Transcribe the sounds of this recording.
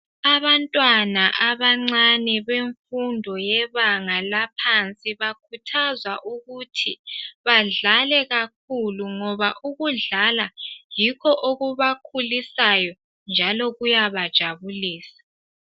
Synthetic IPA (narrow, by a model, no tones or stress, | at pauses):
aβantʼwanaʔaβaŋ͡ǀanɛβeɱfundʱɔjɛβaŋalapʰant͡sʼiβakʰutʰazwaʔuɣutʰiβaɮalɛɣak̚ʰuluŋɔβaʔuɣuɮalajikʰɔʔoɣuβakʰulisajɔ | nd͡ʒʱalɔɣujaβad̥ʒ̥ʱaβuliːsḁ